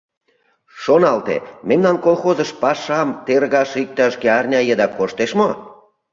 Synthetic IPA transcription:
ʃonɑlt̪ḛmemnɑnkolxozəʃpɑʃɑmt̪erɣɑʃik̚t̪ɑʃɡeɑrnʲɑjəd̪ɑkoʃt̪eʃmo

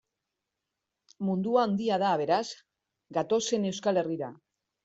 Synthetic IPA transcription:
mund̪uaːnd̪iað̞aːβ̞e̞ɾaz | ɡat̪o̞se̞ne̞wskale̞riɾa

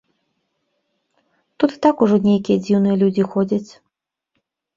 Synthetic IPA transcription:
t̪ut̪t̪akuʐɔnʲejkʲijəd͡zʲiwnɨjəlʲud͡zʲixodʲət͡sʲ

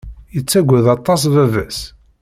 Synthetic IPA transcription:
jət͡sːæɡʷːæðɑt̪ˤːɑs̬vævæs

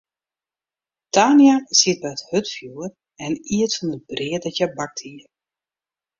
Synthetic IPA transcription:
taːnjasiət̚bɛəthøtfjuːər | ɛniətfɔnət̚brɪədɔtjɛbak̚tʰiə

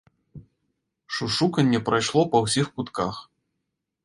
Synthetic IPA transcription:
ʂuʂukɐnʲːɛpɾajʂlˠɔpɐwsʲixkut̪kax

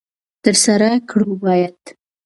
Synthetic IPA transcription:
t̪əɾsaɾakɽubɑjad̪̥

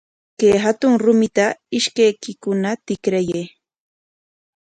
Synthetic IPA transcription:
keːɦat̪ʊŋɾʊmɪt̪aɪʃkajkɪkʊnat̪ɪkɾajej

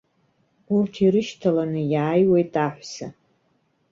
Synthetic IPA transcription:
urtʰiɾɨʃtʰalanɨjaːjwejtʼaħʷsa

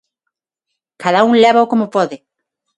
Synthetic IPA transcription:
kaðauŋlɛβaokomopɔðɪ

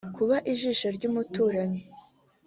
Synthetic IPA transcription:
kuβaʔiʒiʃoɾɟuːmutuːɾaɲe

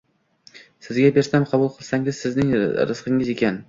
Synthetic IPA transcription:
sɪzɡʲabe̞ɾsamqʰɑbʊlˠqʰɨlˠsaŋɪz̥sɪznɪŋɾɪ̰zqʰɨŋɪze̞kʲan

